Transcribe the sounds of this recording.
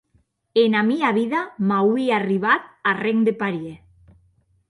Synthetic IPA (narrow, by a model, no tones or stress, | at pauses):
enamiaβiðamawiariβat̪̚areŋd̪epaɾje